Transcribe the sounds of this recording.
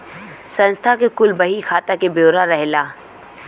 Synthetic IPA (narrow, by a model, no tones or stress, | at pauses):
sɐ̃nst̪ʰakekʊlbɐɦixʰaːt̪akebjoːɾaɾɛɦlaː